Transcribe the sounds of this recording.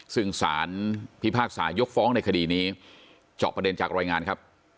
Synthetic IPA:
sɯ˥˩ŋsaː˩˦npʰi˦˥pʰaː˥˩k̚saː˩˦njo˦˥k̚fɔː˦˥ŋna˧jkʰa˧diː˧niː˦˥ | t͡ɕɔ̰ː˨˩pɾa˧de˧nt͡ɕaː˨˩kɾaː˧jŋaː˧nkʰa˦˥p̚

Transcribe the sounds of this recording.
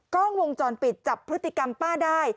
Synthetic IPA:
kɔː˥˩ŋwo˧ŋt͡ɕɔː˧npi˨˩t̪̚t͡ɕa˨˩pʰːɾɯ˦˥t̪ːi˨˩ka˧mpaː˥˩daː˥˩j

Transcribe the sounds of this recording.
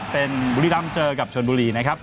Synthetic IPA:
pe˧nbu˧ɾiː˦˧˥la˦˥mt͡ɕɤː˧ka˨˩p̚t͡ɕʰo˧nbuː˧ɾiː˧na˦˥kʰa˦˥p̚

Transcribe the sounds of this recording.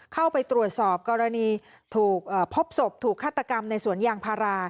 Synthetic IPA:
kʰa˥˩wpa˧jt̪ɾu˨˩ət̪̚sɔː˨˩p̚kɔː˧ɾa˧niː˧ | t̪ʰuː˨˩k̚ʔəː˨˩pʰo˦˥p̚so˨˩p̚t̪ʰuː˨˩kʰːaː˥˩t̪ːa˧ka˧mna˧jsu˩˦ənjaː˧ŋpʰaː˧ɾaː˧

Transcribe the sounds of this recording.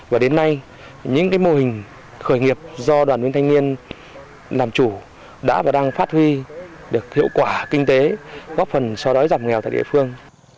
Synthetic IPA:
vaː˨˩ɗe˨˦nːa˧j | ɲɨ̰˧˥ŋkaː˨˦jmo˧hï˨˩ŋ̟ | xəː˧˩jŋi˨˩əp̚zɔ˧ɗwaː˨˩nwənt̪ʰjŋ̟ni˧ən | laː˨˩mt͡ɕu˧˩ | ɗa̰ː˧˥vaː˨˩ɗaː˧ŋfaː˦˥t̚hwi˧ | ɗɨ˨˩ək̚hḭ˧˨əwkwaː˧˩kï˧ŋ̟t̪e˨˦ɣɔ˦˥p̚fə˨˩nsɔ˧ɗɔ˨˦jzaː˨˩mŋɛ˨˩wt̪a̰ː˧˨ɗḭ˧˨fɨ˧əŋ

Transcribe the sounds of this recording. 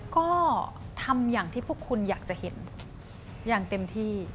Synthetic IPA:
kɔː˥˩t̪ʰa˧mjaː˨˩ŋt̪ʰiː˥˩pʰu˥˩əkʰːu˧njaː˨˩k̚t͡ɕa˨˩ʔhe˩˦n | jaː˨˩ŋt̪e˧mt̪ʰiː˥˩

